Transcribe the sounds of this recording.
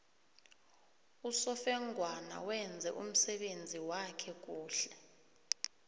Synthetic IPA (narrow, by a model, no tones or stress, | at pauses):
usɔfɛŋɡʱwana̰wɛnd͡zʱɛʔum̩sɛɓend͡zʱiwakʰɛk̬ʼuːɬɛ